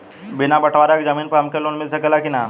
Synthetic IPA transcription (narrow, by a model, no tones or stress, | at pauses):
binabəʈʰʋaɾakd͡zəmiːnpəamkeloːnmilsəkelakina